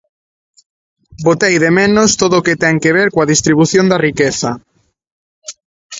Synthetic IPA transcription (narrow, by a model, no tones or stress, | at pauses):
bot̪ejðemẽnost̪oðoːket̪ɛŋkeβ̞eɾkoaðist̪ɾiβuθjond̪ɐrikeθɐ